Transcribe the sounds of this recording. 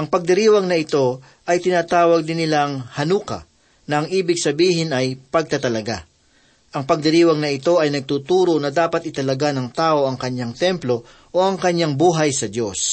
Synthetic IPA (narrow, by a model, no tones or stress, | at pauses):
ʔɐŋpɐɡ̚d̪ɪɾiːwɐŋnɐɪt̪o̞ | ʔɐjt̪ɪnaːt̪aːwɐɡ̚d̪ɪnɪlaŋhɐnuːkɐ̰ | nɐɐŋʔiːbɪɡsɐbiːɦɪnɐjpɐɡ̚t̪ɐt̪ɐlɐɡa | ʔɐŋpɐɡ̚d̪ɪɾiːwɐŋnɐɪt̪o̞ʔɐjnɐɡ̚t̪uːt̪uːɾo̞nɐd̪aːpɐt̪̚ʔɪt̪ɐlɐɡanɐŋt̪aːʔo̞ʔɐŋkɐɲːaŋt̪ɛmplo̞ | ʔoʔɐŋkɐɲaŋbuːɦɐjsɐd̪jo̞s